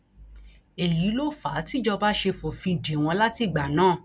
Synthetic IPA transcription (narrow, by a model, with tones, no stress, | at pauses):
e˨ji˨˦lo˦fa˨˦ti˦d͡ʒɔ˧ba˦ʃe˧fo˨fĩ˧˨de˨w̃ɔ̃˧la˦ti˧˨ɡ͡ba˨nãː˦˨